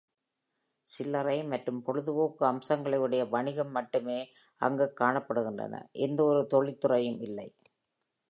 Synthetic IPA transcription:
sɪlːɐɾɐɪmɐʈrɯmpɔɻɯðɯʋoːkːɯɐmsɐŋɡɐɭɐɯɽɐjɐʋɐɳɪɣɐmːɐʈːɯmeː | ʔɐ̰ŋɡeːkːaːɳɐpːɐɽɯɣɪndrɐ̰nɐ̰ʔɛnd̪ɐɔɾɯt̪ɔɭɪt̪ːɯrɐjɯmɪlːɐɪ

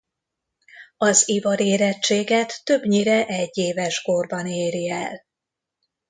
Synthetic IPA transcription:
ɒzivɒɾeːɾɛt͡ʃːeːɡɛt̪ːø̞bɲiɾɛʔɛɟːeːvɛʃkorbɒneːɾiɛl

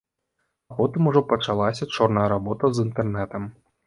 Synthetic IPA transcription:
ɐpɔt̪ɨmuʐɔpɐt͡ʂalˠasʲɐt͡ʂɔrnɐjɐɾabɔt̪ɐzint̪ɛrnɛt̪ɐm

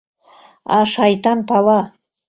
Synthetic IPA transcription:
ɑʃɑjt̪ɑnpɑlˠɑ

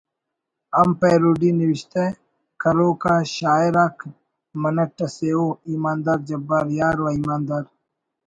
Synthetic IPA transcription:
ɐmpeːɾuːɖiːniwiɕt̪e | kɐɾoːkaːʃaːiɾaːkʰ | mɐnɐʈːɐseːoːiːmaːnd̪aːɾd͡ʒɐbːaːɾjaːɾʋaːiːmaːnd̪aːɾ

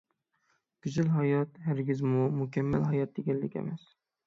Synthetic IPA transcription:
kyzɪlɦɑjɑt̪hæɾɡʲɪzmʊmʊkʲʰæmːælɦɑjɑt̪̚d̪eɡʲɛlːɪkʲḛmɛs

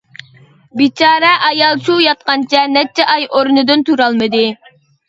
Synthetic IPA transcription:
bit͡ʃʰɑːɾɛʔɑjɑlˠʃujɑt̪̚qɑnt͡ʃʰɛnɛt͡ʃʰːɛʔɑjʔoɾnɨd̪ɨnt̪uɾɑlˠmɨd̪ɨ

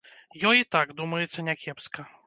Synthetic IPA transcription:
jɔjit̪aɡd̪umɐjɛt̪sɐnʲɛkʲɛpskɐ

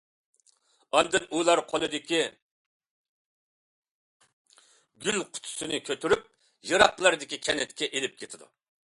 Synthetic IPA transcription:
ɑnd̪ɨnulˠɑɾqʰolˠɨd̪ɪkʲi | ɡʲylqʰʊ̥t̪ʰʊ̥sɨnɪkʲʰøt̪ʰyɾyp̚ | jɑɾɑqlˠɑɾd̪ɪkʲikʲʰɛnɛt̪kʲɛʔelɪp̚kʲʰet̪ʰɪd̪ṵ

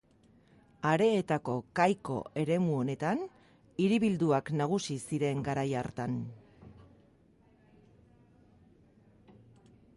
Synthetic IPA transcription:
aɾe̞ːt̪ako̞kajko̞̰e̞ɾe̞muo̞ne̞t̪an | iɾiβild̪uaknaɣ̞usisiɾe̞ŋɡaɾajaɾt̪an

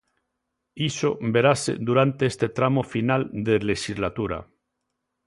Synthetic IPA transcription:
isobe̞ɾasḛd̪uɾant̪eest̪e̞t̪ɾamofinald̪eleʃizlat̪uɾa̰

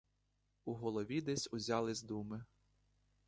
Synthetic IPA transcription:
uɦɔlˠɔʋʲid̪ɛsʲuzʲɑlˠɪzʲd̪umɪ

